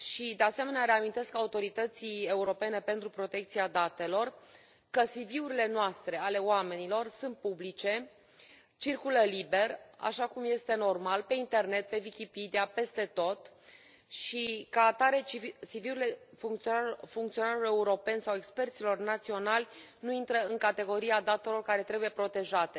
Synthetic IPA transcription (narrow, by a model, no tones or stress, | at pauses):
ʃid̪e̞ase̞me̞neaɾe̞amint̪e̞skaut̪o̞ɾit̪ət̪sie̞uɾo̞pe̞ne̞pe̞nt̪ɾupɾo̞t̪e̞k̚t̪siad̪at̪e̞lo̞r | kəsiviuɾile̞noast̪ɾe̞ale̞wame̞nilo̞rsunt̪̚publit͡ʃe̞ | t͡ʃirkuləlibe̞ra̰ʃakumje̞st̪e̞no̞rmalpe̞int̪e̞rne̞t̪̚pe̞vikʲipid̪ijape̞st̪e̞t̪o̞t̪ | ʃikaːt̪aɾe̞isiviuɾile̞fuŋkt̪sfuŋkt̪sio̞naɾole̞uɾo̞pe̞nʲsawe̞kspe̞rt̪silo̞rnat̪sio̞nalʲnuint̪ɾəɨŋkat̪e̞ɡo̞ɾiad̪at̪e̞lo̞rkaɾe̞t̪ɾe̞buje̞pɾo̞t̪e̞ʒat̪e̞